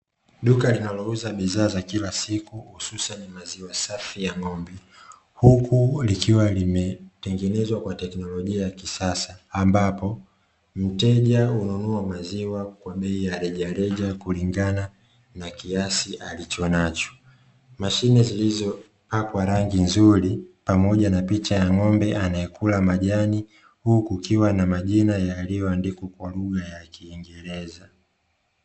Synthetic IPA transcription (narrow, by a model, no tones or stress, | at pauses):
ɗukalinalɔuzaɓiðaːzakilasikuhususanimaziwasafijaŋɔmbi | hukulikiwalimɛtɛŋɡɛnɛzwakwatɛknɔlɔʄiajakisasaːmbapɔ | m̩tɛʄaununuamaziwakwaɓɛijaɾɛʄaɾɛʄakuliŋɡana | nakiasiʔalit͡ʃɔnat͡ʃɔ̥ | maʃinɛzilizɔ | pakwaɾaŋɡinzuɾipamɔʄanapit͡ʃajaŋɔmbɛʔanaɛkulamaʄani | hukukiwanamaʄinajaliwandikukwaluɣajakiːŋɡɛɾɛza